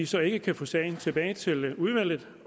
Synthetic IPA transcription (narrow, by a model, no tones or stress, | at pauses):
isɒ̽e̝ɡ̥əkʰæfɔsɛɪn̩t͡sʰe̝b̥ɛːɪt͡sʰe̝luð̞ˠʋæl̰ð̩ˠ